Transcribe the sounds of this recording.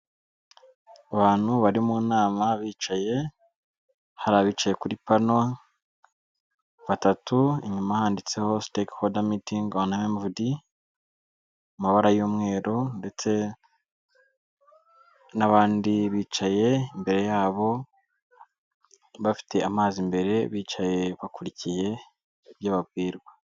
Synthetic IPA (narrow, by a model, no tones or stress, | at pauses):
aβaːn̥huβaɾimuːnaːmaβiːt͡ʃaje̞ | haɾaβiːt͡ʃaje̞kuɾipana | βatatuiɲumahaːndit͡se̞ho̞stekhodamitiŋɡonamvudi | umaβaɾajuːmŋe̞ːɾo̞nde̞t͡se̞ | naβaːndiβiːt͡ʃaje̞imbe̞ɾe̞jaːβo̞ | βafi̥te̞ʔamaːzimbe̞ɾe̞βiːt͡ʃaje̞βakuɾicije̞ | bjaːβab̚ɡiːɾɡwa